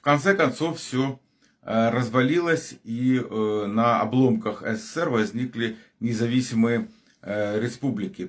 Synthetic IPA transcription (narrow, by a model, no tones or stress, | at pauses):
fkɐnt̪sɛkɐnt̪soffsʲo | ɾəzvɐlʲilˠəsʲi | nɐɐ̰blˠomkɐxɛsɛsɛrvɐzʲnʲiklʲɪ | nʲɪzɐvʲisʲɪmɨjə | ɾʲɪspublʲɪkʲɪ